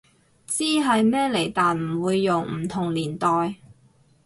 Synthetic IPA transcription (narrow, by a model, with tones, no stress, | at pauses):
t͡siː˥ɦɐ˨jmɛː˥le˨˩jt̪aː˨nm̩˨˩wuː˨˧jːʊ˨˩ŋm̩˨˩t̪ʰʊ˨˩ŋliː˨˩nt̪ɔː˨j